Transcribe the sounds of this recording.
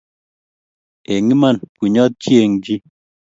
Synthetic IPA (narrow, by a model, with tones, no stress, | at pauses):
e˨ŋi˦ma˦˨nkwi˨ɲɔ˦t̪̚t͡ʃi˦e˨ŋd͡ʒi˦